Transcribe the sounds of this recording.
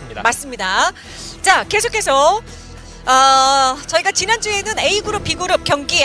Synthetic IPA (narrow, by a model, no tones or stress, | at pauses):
mas͈ɯmɲida | t͡ɕake̞sʰokʰe̞sʰʌ | ʌt͡ɕʌiɡat͡ɕinand͡ʑ͈ue̞nɯne̞iɡɯɾup͈̚ːiɡɯɾup̚k͈jʌŋɡi